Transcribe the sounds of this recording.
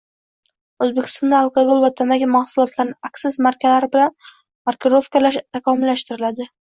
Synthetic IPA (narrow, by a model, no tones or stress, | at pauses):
ɵzbekʰʲɪ̥st̪ɒnd̪aɑlˠqʰɑɡolˠvat̪ʰamaɡʲamahsʊlˠɒt̪laɾnɪaksɪzmaɾkʲalaɾɪbɪlan | maɾkɾofkalaʃt̪ʰakʰɒmɪlːaʃt̪ɪɾɪlad̪ɪ